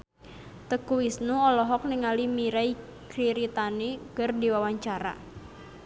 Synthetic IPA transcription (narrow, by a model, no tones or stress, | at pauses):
t̪əkuisnuɔlɔɦɔk̚niŋalimiɾaj | kɾiɾit̪anikɨrdiwawaɲt͡ʃaɾa̰